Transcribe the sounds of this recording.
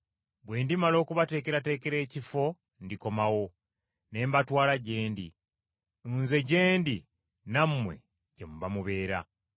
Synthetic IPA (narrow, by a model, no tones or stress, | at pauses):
bwe̞ːndimalo̞ːkuβate̞ːke̞ɾate̞ːke̞ɾe̞ːcifo̞ | ndiko̞mawo̞ | ne̞ːmbatwaːlaɟe̞ːndi | nze̞ɟe̞ːndi | namːwe̞̰ | ɟemuβamuβe̞ːɾa̰